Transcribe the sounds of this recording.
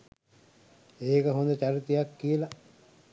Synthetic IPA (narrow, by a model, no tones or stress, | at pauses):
eːkəɦond̪ət͡ʃaɾit̪ejakːijəla